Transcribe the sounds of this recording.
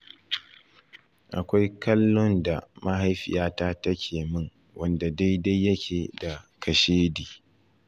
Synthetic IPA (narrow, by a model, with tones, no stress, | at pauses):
ʔa˨kʷa˦jkɐ˦lːʊ˦nda˨ma˦ɦa˦jɸɪ̰˨jaː˦taː˦tɐ˦kʲʰeː˨mɪ˦ŋ | wɐ˦nda˨da˦jda˦jːɐ˦kʲʰeː˨da˨kʰɐ˨ʃeː˦diː˨